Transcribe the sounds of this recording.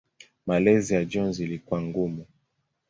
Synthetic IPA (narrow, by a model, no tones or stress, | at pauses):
malɛzijad͡ʒɔnzilikuaŋɡumu